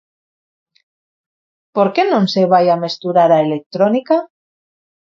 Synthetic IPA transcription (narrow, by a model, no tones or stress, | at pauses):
poɾkenõnseβ̞ajamest̪uɾaɾaelek̚t̪ɾonika